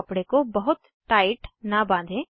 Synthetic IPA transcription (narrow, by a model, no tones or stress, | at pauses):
əpɽekobɐɦʊt̪ | ʈaːɪʈnabãːnd̪ʱẽː